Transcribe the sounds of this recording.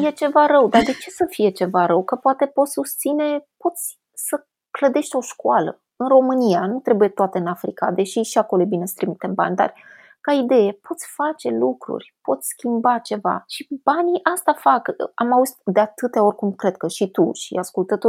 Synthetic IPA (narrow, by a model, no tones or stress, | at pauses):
je̞t͡ʃe̞vaɾəwd̪ard̪e̞t͡ʃe̞səfije̞t͡ʃe̞vaɾəwkəpoat̪e̞pot̪sʲsust̪sine̞po̞t̪sʲ | sə | kləd̪e̞ʃt̪ʲo̞ʃkualə̰ | ɨnro̞mɨnijanut̪ɾe̞buje̞t̪oat̪eɨnafɾika̰d̪e̞ʃiʃiako̞lojebine̞sə̥t̪ɾimit̪emba̰nʲd̪a̰r | kaid̪e̞je̞po̞t̪sʲfat͡ʃe̞lukɾṵrʲpo̞t̪sʲskʲimbat͡ʃe̞va̰ʃib̥aniʔast̪afaka̰mauzt̪d̪eat̪ɨt̪ao̞rʲkumkɾe̞d̪̚kəʃit̪uʃḭaskult̪ət̪o